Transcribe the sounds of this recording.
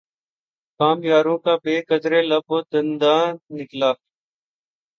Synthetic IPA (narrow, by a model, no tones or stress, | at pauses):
kaːmjaːɾũːkãːbeːkəd̪ɾeːlaːboːd̪ənd̪aːnɪklaː